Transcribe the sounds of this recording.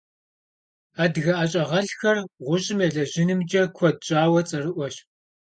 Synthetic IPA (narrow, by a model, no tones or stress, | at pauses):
aːdɣɐʔaːɕʼɐʁɐɬxɐrʁʷʊɕʼɪmɐɮɐʑɪnɨmd͡ʒʼɐkʷʰɔd̚ɕʼaːwɐt͡sʼɐrɨʔʷɔɕ